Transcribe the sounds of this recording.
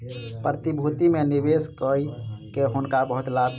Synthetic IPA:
pɾət̪ibʱut̪imenibeskəjkeɦunkabəɦut̪lab̪

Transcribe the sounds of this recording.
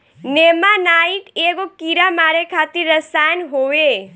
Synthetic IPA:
neːmanaːikeːɡokiːɾamaːɾekʰaːt̪iɾːəsaːnɦoːe

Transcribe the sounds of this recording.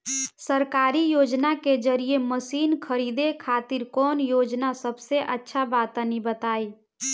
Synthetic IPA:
səɾkaːɾijoːd͡ʒnaked͡ʒəɾijeməsiːnkʰəɾid̪ekʰaːt̪iɾkɔːnjoːd͡ʒnasəbseʔətːʃʰabaːt̪anibət̪aːi

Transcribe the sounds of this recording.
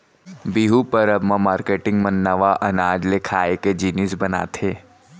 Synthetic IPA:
biɦupɐɾɐbmãmaːɾkeːʈɪ̃ŋɡmɐnːɐʋaʔɐnaːd͡ʒlekʰaːeked͡ʒiːnɪsbɐna̰ːt̪ʰeː

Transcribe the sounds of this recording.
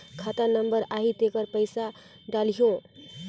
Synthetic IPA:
kʰat̪anəmbəɾaɦid̪ekəɾpəɪsa | ɖalijõ

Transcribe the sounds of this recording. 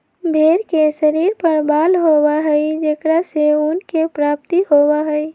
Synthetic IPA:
bʱeːɾkesəɾiːɾpəɾbaːlɦobaɦəid͡ʒeːkɽaseʊnkepɾaːp̚t̪ihowaɦəi

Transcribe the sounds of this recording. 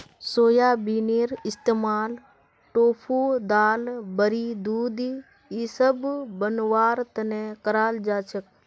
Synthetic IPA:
soːjaːbiːneːɾɪst̪eːmaːl | ʈoːpʰuːd̪aːlbəɾiːd̪uːd̪ | iːsəbbənʋaːɾt̪əneːkəɾaːld͡ʒaːt͡ʃʰək̚

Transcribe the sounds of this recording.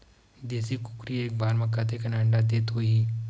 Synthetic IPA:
d̪eːsikʊkɾieːk̚baːɾmɐkːat̪ekɐnãːɳɖad̪eːt̪ɦoiː

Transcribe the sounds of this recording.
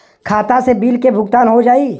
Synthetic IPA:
kʰaːt̪asebiːlkebʱʊɡt̪aːnɦod͡ʒaːi

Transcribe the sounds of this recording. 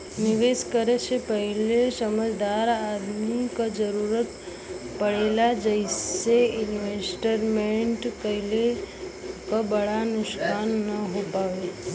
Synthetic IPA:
niʋeskəɾet͡ʃʰepəɦilesəməd͡ʒd̪aɾad̪mikad͡ʒəɾuɾət̪ | pəɽelad͡ʒəiseɪnʋesʈəɾmẽɳʈkəɦile | kəbəɽanʊskanːəɦopaʋe

